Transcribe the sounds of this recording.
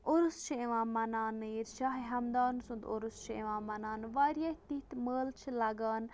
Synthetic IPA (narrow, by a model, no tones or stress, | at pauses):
oɾust͡ʃʰieʋãːmɐnaːniɾʃaːɦiɦɐmd̪aːnsund̪oɾust͡ʃʰḛʋãːmːɐnaːnʋaːɾijaːht̪it̪məːlt͡ʃʰlɐɡaːn